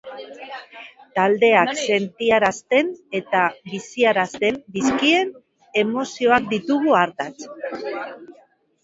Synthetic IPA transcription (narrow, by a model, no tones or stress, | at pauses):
t̪ald̪e̞akse̞nt̪iaɾast̪e̞ne̞t̪aβisiaɾast̪e̞nd̪iskie̞n | e̞mo̞sio̞ak̚d̪it̪uɣ̞uaɾt̪at͡s